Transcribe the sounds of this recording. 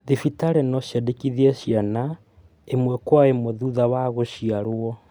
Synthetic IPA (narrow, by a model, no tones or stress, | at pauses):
ðifitaɾɛnɔɕjadekiðieʃjana | emwɛkwaemoðuðawaɣoʃiaɾwɔ